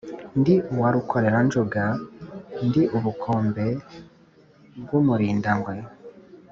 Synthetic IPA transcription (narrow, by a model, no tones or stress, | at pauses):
ndiuwaɾukʰo̞ɾe̞ɾand͡ʒuɡa | ndiʔuβukʰoːmbe̞ | bɡumuɾiːndaŋɡwe̞